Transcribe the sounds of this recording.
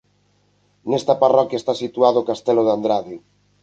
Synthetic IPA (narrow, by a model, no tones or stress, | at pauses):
nɛst̪aparɔkjaest̪asit̪uaðoːkast̪ɛloðand̪ɾaði